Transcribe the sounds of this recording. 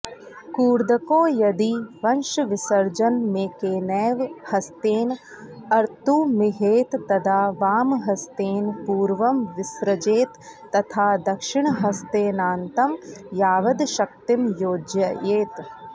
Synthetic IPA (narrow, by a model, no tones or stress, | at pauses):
kuːɾd̪ɐkoːjɐd̪iʋɐnʃʋɪsɐɾd͡ʒɐnmẽːkeːnɛːʋhɐst̪eːn | ɐɾt̪umɪɦeːt̪ːɐd̪aːʋaːmɦɐst̪eːnpuːɾʋɐmʋɪsɾɐd͡ʒeːt̪ː | ɐt̪ʰaːd̪ɐkʃɪɳ̃ɦɐst̪eːnaːnt̪ɐmjaːʋɐd̪ʃɐk̚t̪ɪmjoːd͡ʒjɐjeːt̪